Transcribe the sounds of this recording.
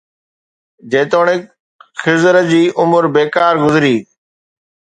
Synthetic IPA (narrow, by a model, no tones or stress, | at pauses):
d͡ʑeːt̪oːɽ̃ɪ | xɪzəɾəd͡ʑiːʔʊmʊɾbeːkaːɾɡʊzɾiː